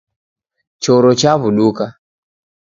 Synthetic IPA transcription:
t͡ʃɔɾɔt͡ʃaβuɗuka

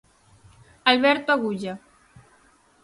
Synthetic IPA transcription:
alβɛɾt̪oaɣuʒa

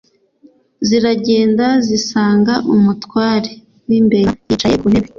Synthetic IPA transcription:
ziɾaɟe̞ːndazisaːŋɡaʔumutwaːɾe | wimbeɾjit͡ʃajekuneβe

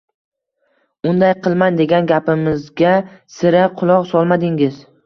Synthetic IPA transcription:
ʊnd̪ajqʰɨlˠmand̪e̞ɡʲanɡʲapɪmɪzɡʲasɪɾaqʰʊlˠɒqsɒlˠmad̪ɪŋɪz

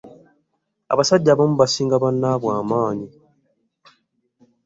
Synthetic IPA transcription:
a̰βasaɟːaːβomuβasiːŋɡaβanːaβwaːmaːɲi

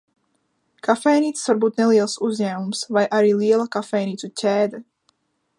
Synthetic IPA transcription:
kafɛjniːt̪svaɾbuːt̪neliɛlˠsuzɲæːmumsvajʔaɾiːliɛlˠakafɛjniːt̪ucʲɛːd̪a

